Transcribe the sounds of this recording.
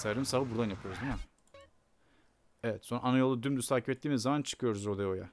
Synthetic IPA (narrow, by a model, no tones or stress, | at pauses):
sajɾɯmsaːvbuɾd̪anjapʰɯjo̞ɾuzima | evɛt̪so̞nɾaːnajo̞lˠud̪ymd̪yst̪ʰaːcʰipɛt̪ːiːmizamant͡ʃʰɯ̥kʰɯjo̞ɾuzod̪ajao̞ja̰